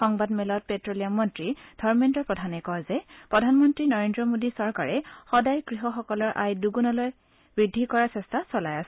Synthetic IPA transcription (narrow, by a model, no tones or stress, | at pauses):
xɔŋbadmɛlɔt̚petɹolijamːɔntɹid̥ʱɔɹmɛntɔɹpɹɔdʱanɛkɔzɛpɹɔdʱanmɔntɹinɔɹendɹɔmodisɔɹkaɹɛxɔdajkɹiɦɔxɔkɔlɔɹʔa̰jduɡunɔlɔj | bɹidʱːikɔɹasɛstasɔlajasɛ